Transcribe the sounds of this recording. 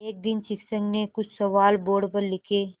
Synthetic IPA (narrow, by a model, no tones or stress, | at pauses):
eːk̚d̪ɪnt͡ʃɪksə̃ŋɡnekʊt͡ʃʰsɐʋaːlboːɾɖpəɾlɪkʰeː